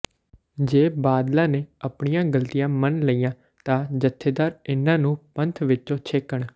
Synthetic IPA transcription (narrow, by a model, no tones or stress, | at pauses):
d͡ʒeːbaːd̪lãːneːəpɳɪjãːɡəlt̪ɪjãːmənləiːjãː | t̪ãːd͡ʒət̪ʰːeːd̪aːɾɪnãːnũːpənt̪ʰʋɪt͡ʃõːt͡ʃʰekːəɳ